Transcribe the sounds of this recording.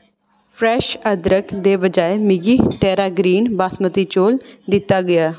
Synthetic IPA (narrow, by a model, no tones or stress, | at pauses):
pʰɾɛːʃəd̪ɾəkd̪eːbəd͡ʒaːemɪɡiːʈɛːɾaːɡɾiːnbaːsmət̪it͡ʃoːld̪ɪt̪ːaːɡəjaː